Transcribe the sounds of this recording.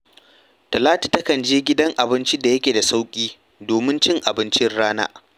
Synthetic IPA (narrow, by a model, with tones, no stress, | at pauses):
tɐ˨laː˦tu̥˨tɐ˦kɐ˨nd͡ʒeː˦ɡʲɪ˦dɐ˦ŋʔa˨bɪ˦nt͡ʃi˦da˨jɐ˦kʲeː˨da˨sa˦wkʲʼiː˦ | doː˨mɪ˦nt͡ʃɪ˦ŋʔa˨bɪ˦nt͡ʃɪ˦rɽaː˦na̰ː˦